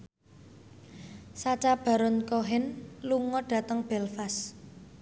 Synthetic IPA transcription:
sat͡ʃab̥ä̤ɾɔnkɔɦɪnluŋɔɖ̥ä̤t̪əŋb̥ɛlfas

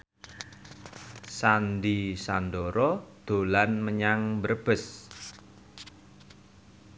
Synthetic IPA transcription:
sandisandoɾɔd̪̥o̤lanməɲaŋbəɾb̥əs

